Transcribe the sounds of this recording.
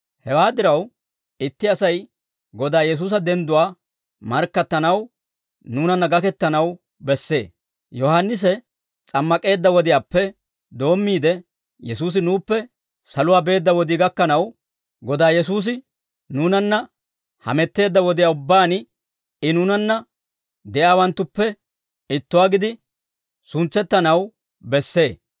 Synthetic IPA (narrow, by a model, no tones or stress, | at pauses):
hɛwaːd̪ɪɾɐw | ɪt̪ːɪɐsɐj | ɡɔd̪aːjɛs̬uːs̬ɐd̪ɛnd̪ʊwaː | mɐɾkːɐt̪ːɐnɐw | nuːnɐnːɐɡɐkɛt̪ːɐnɐw | bɛsːe̞̰ː | jɔhanːɪs̬ɛ | t͡sʼɐmːɐkʼe̞ːd̪ːɐwɔd̪ɪjaːpːɛ | d̪o̞ːmːiːd̪ɛ | jɛsuːs̬ɪnuːpːɛ | sɐlʊwaːbe̞ːd̪ːɐwɔd̪ɪɡɐkːɐnɐw | ɡɔd̪aːjɛsuːs̬ɪ | nuːnɐnːɐ | hɐ̰mɛt̪ːe̞ːd̪ːɐwɔd̪ɪjaːʊbːaːn | ɪnuːnɐnːɐ | d̪ɛjaːwɐnt̪ːʊpːɛ | ɪt̪ːʊwaːɡɪd̪ɪ | sʊnt͡sːɛt̪ːɐnɐw | bɛsːe̞ː